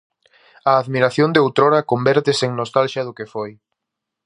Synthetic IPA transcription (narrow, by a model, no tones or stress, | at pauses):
ɐːðmiɾaθjond̪eowt̪ɾoɾɐkombɛɾt̪ɪsɪeŋnost̪alʃjɐðʊkefoj